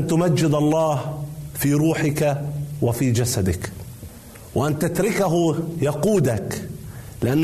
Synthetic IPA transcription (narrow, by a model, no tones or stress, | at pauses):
nt̪ʊmad͡ʒːɪd̪ɑlˤːɑːhfiːɾuːħɪkawɪfiːd͡ʒasad̪ɪk | wʔant̪at̪ɾɪkaɦʊjɑquːd̪ak | lɪʔanː